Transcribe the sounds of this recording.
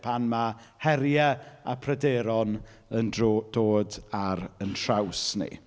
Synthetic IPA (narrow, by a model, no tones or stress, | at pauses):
pʰanma | hɛɾjaapʰrɛdeːɾɔn | ənd̥oːdaɾəntʰrawsnḭ